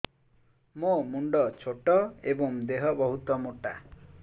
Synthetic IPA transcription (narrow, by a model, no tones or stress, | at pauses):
momuɳɖɔt͡ʃʰoʈɔebɔŋd̪eɦɔbɔɦut̪ɔmoʈa